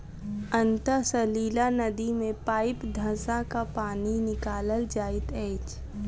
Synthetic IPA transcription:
ənt̪əsəliːlanəd̪imẽpaːɪpd̪ʱəsakapaːninɪkaːləld͡ʒaːɪt̪ɛːt͡ʃ

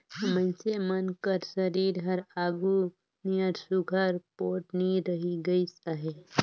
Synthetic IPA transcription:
səmə̃nsemənkəɾsəɾiːɾɦɐɾaːɡu | niəɾsʊɡʱəɾpoːʈniɾəɦiɡəisaɦe

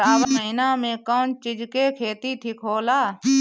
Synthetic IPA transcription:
aːbməɪnamẽkɔːnt͡ʃɪd͡ʒkekʰeːt̪it̪ʰikʰoːlaː

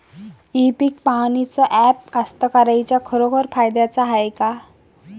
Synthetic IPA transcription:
ipik̚panit͡sɔʔɛp̚kast̪əkaɾajt͡ɕjakʰəɾokʰəɾfajd̪jat͡saɦajka

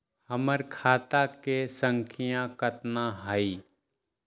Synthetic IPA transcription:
həməɾkʰaːt̪akesə̃ŋkʰɪjãkət̪naɦaiː

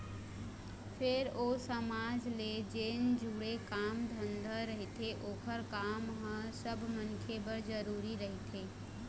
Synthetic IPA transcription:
pʰɪɾoːsəmaːd͡ʒled͡ʒeːnd͡ʒuːɽekaːmd̪ʱənd̪ʱəɾəɦit̪ʰeʔoːkʰəɾkaːmɦə̃səbʱmənkʰebəɾd͡ʒəɾuːɾiɾəɦit̪ʰeː

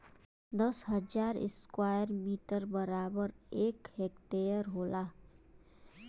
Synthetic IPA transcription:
d̪əsɦəd͡ʒaːɾɪ̰skwaːjəɾmiːʈəɾbəɾaːbəɾeːkheːkʈejəɾɦoːlaː

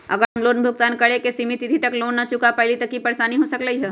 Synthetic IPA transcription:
ɐ̰ɡəɾɦɐmloːnbʱʊk̚t̪aːnkɐɽekesimit̪it̪ʰit̪ɐkloːnːat͡ʃʊkapɛɦlit̪ɐkːipɐɾʃaːniɦosɐkləiɦɛː

